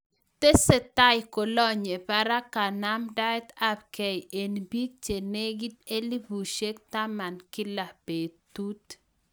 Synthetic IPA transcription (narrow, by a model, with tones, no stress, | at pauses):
t̪e˦se˨t̪a˦jko˨lɔ˦ɲe˨pa˦ɾa˦ka˨na˦mda˦jt̪a˦p̚kɛ˨jʔe˨nbi˦k̚t͡ʃe˨ne˦ɡi˦t̪e˦li˦bu˨ʃe˦k̚ta˦ma˨nkɪ˦la˨pe˨t̪u˦t